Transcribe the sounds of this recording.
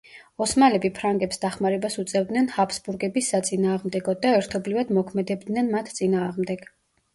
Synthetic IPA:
ɔsmalɛbipʰɾaŋɡɛpsd̪aχmaɾɛbasut̪sʼɛvd̪nɛnhapʰsbuɾɡɛbisːat̪sʼinaːʁmd̪ɛɡɔd̪aɛɾt̪ʰɔblivad̪mɔkʰmɛd̪ɛb̚d̪nɛnmat̪ʰt̪sʼinaːʁmd̪ɛɡ̥

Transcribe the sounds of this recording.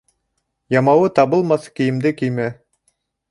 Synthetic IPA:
jɑmɑwɤt̪ɑβɤlˠmɑθkĭjɘ̆md̪ɘkijmæ

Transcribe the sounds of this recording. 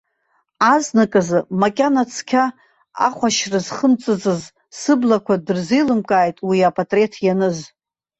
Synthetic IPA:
aznɨkʼazɨmakʲʼanat͡sʰkʲʰa | a̰χʷaʃrɨzχəmt͡sʼɨt͡sʼɨz | sɨblakʷʰadɨrzijlɨmkʼaːjtʼwiapʼatʼre̞tʰjanɨz

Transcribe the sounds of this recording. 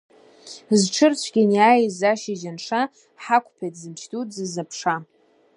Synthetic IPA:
zʈ͡ʂʰɨrt͡ɕʷʰɡʲɪnjaːjzaʃiʒanʂa | ħakʷʰʼpʰejtʰzɨmʃtʰʼutʰʼzɨzapʰʂa

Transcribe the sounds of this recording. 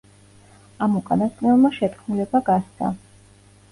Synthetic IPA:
amukʼanasʼnɛlˠmaʃɛt̪ʰkʰmulɛbaɡast̪a̰

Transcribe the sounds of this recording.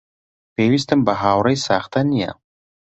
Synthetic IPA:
peːwis̬t̪ɨmbəɦaːwɾɐjsaːχt̪ʰɐnija̰

